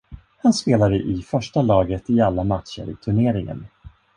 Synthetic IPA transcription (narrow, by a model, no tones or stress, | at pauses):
hanspeːlad̪əʔɪfœʂʈalɑːɡət̪ɪalːamat̪ɕə̰ɾɪ̰t̪ʰɵɳeːɾɪŋə̰n